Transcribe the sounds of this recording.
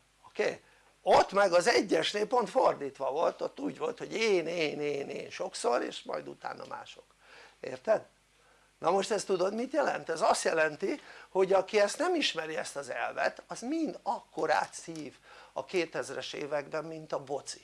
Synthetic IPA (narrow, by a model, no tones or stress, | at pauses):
okḛː | ot̪ːmɛɡɒzɛɟːɛʃneːlpo̞nt̪fo̞rd̪iːt̪ʋɒvo̞lt̪o̞t̪ːuːɟʋo̞lt̪ho̞ɟeːneːneːnḛːnʃo̞kso̞ɾḛːʃmɒ̰jd̪ṵt̪a̰ːnːʔɒ̰ma̰ːʃo̞k | ḛːrt̪ɛd̪ | nɒmo̞ʃt̪ɛst̪ud̪o̞d̪mit̪jɛlɛ̰nt̪ɛzɒst̪jɛlɛnt̪iho̞ɟɒkiɛst̪nɛmiʃmɛɾiɛst̪ɒzɛ̰lvɛ̰t̪ɒzmind̪ɒkːo̞ɾa̰ːt̪siːvɒ̰keːt̪ɛzrɛʃḛːvɛɡbɛmːint̪ɒbo̞t̪si̥